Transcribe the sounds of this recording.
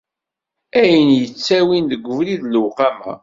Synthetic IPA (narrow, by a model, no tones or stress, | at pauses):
æjənjət͡sːæwinðəɡʷːəvliðləwqæmæ̰